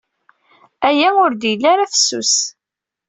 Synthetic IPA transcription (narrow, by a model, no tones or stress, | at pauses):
æjæʊɾd̪jəlːaɾafəsːṵs